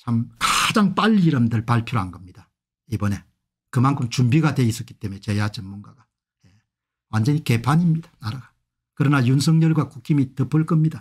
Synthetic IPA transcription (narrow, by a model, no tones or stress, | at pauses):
t͡ɕʰamkḁd͡ʑaŋp͈aʎːiːɾʌmdɯɭpaɭpʰjɾoɦanɡʌmɲid̥a | ibʌne̞ | kɯmankʰɯmt͡ɕumbiɡadwe̞is͈ʌk͈i̥t͈e̞muet͡ɕejad͡ʑɯmmːunɡaɡa | je̞ | wand͡ʑʌnɲike̞pʰaɲimɲid̥ḁnaɾaɡa | kɯɾʌnajuns̬ʰʌŋɲʌɭɡwakukʰimitɯpʰːɯɭk͈ɯmɲida